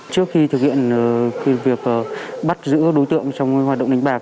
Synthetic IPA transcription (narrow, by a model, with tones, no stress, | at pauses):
t͡ɕɨ˦˥ək̚xi˧t̪ʰɨ˨˩k̚hḭ˧˨ənː˨˩kvi˨˩ək̚ʔəː˨˩ɓa˦˥t̚zɨ̰˧˥ɗo˨˦jt̪ɨ̰˧˨əŋt͡ɕɔ˧wŋ͡mhaː˨˩ɗə̰˧˨wŋ͡mi˧˩ŋ̟ɓaː˨˩k